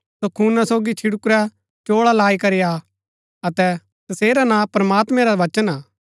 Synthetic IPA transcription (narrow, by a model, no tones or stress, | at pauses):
sokʰuːnasoːɡit͡ʃʰɪɽʊkʊɾɛ | t͡ʃoːɭalaːikɐɾɪja | ɐt̪ɛ | t̪ɐseːɾanãpɾɐmaːt̪mɛ̃ɾaʋɐt͡ʃənaː